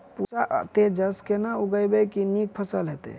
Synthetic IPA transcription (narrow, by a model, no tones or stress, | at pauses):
pusaʔt̪ed͡ʒəskenauɡəjbekinik̚pʰəsəlɦet̪ḛ